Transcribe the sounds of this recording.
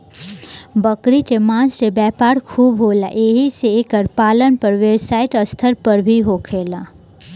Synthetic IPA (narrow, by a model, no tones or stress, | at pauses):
bəkɾit̪emãːsɾebɛːpaːɾkʰuːbɦoːla̰ʔeːɦiseeːkəɾpaːlənpəɾʋeːbsaːɪʈəst̪ʰəɾpəɾbʱiɦokʰeːla